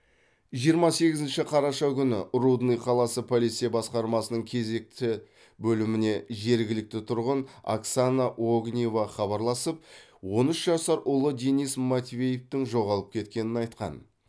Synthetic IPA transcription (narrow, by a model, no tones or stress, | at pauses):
ʒijəɾmɑse̞ɡʲɪzɪnʃɪqʰɑɾɑʃɑkʲʏnɪrud̪nijqʰɑlˠɑsəpʰolijt̪sijabɑsqɑɾmɑsənəɴkʲʰe̞ze̞k̚t̪ɪ | bɵlɪmɪne̞ʒe̞ɾɡʲɪlɪk̚t̪ɪt̪ʰʊɾʁəna̰ksanaʔoɡnʲijovɑχɑβɑɾlˠɑsəp̚ | wo̞nʏʃʒɑsɑɾʔʊlˠəd̪enijsmat̪ʲvʲe̞jeft̪ɪŋʒo̞ʁɑlˠəp̚kʲʰe̞t̪̚kʲe̞nɪnɑjt̪qɑ̰n